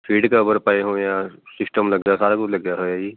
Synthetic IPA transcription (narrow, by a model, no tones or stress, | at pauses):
fʰiːɖkabəɾpaːeɦõjasɪsʈəmlɐɡd͡ʒasaːɾakʊt͡ʃlɐɡd͡ʒaɦoaːiː